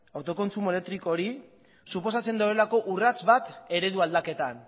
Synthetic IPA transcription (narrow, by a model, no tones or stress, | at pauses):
awt̪o̞ko̞nt͡sume̞le̞k̚t̪ɾiko̞ɾi | supo̞s̬at͡se̞nd̪owɾelako̞ʔurat͡sβat̪e̞ɾe̞ðuald̪ake̞t̪an